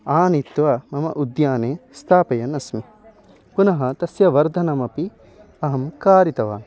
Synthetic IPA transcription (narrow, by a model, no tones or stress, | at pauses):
aːnit̪ʋɐmɐmɐ̰ʔud̪jaːneːst̪ʰaːpɐjɐnɐsmi | punɐɦɐt̪ɐsjɐʋɐɾd̪ʱɐnɐmɐpi | ɐɦɐmkaːɾit̪ɐʋa̰ːn